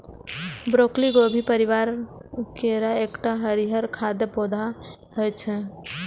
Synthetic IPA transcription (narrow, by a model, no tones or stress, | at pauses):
bɾokliɡobʱipəɾiʋaɾkeɾaekʈaɦəɾiɦəɾkʰad̪epod̪ʱa | ɦəjt͡ʃʰɛ